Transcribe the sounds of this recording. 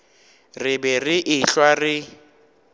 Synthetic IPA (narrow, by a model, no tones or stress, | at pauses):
rɪbɛrɪʔɪɬwarɪ